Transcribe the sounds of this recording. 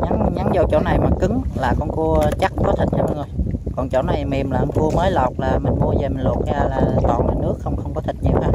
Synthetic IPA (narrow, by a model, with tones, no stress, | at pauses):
ɲa˨˦ŋɲa˨˦nzo˨˩t͡ɕo̰˧˩na˨˩jmaː˨˩kɨ˨˦ŋlaː˨˩kɔ˧nku˧ə˧t͡ɕa˦˥k̚kɔ˨˦t̪ʰï˨˩t̚ha˧ɓə˧ŋzo˨˩jkɔ˨˩nt͡ɕo̰˧˩na˨˩jmi˨˩mlaː˨˩ʔku˧əməː˨˦jlɔ˨˩k͡p̚laː˨˩mï˨˩ŋ̟mu˨˦əzə˨˩mi˨˩ŋ̟lo̰˨˩k̚zaː˧laː˨˩t̪ɔ˨˩nlaː˨˩nɨ˦˥əkxə˧wŋ͡mxə˧wŋ͡mkɔ˨˦t̪ʰi˨˩t̚ɲi˧wʔaː˨˦